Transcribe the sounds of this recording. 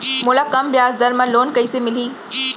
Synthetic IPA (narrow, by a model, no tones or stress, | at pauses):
mʊːlakɐmbjaːzd̪ɐɾmə̃loːnkɐisemɪliː